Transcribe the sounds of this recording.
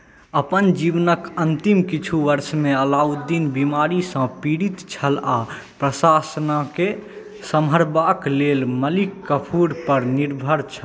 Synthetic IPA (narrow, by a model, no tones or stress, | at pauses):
əpənd͡ʒiʋnəkənt̪imkit͡ʃʰuʋəɾsmeəlaud̪inbimaɾisə̃piɽit̪t͡ʃʰəla | pɾəsasnake | səməɾbaklelməlikːəpʰuɾpəɾniɾbʱəɾt͡ʃʰə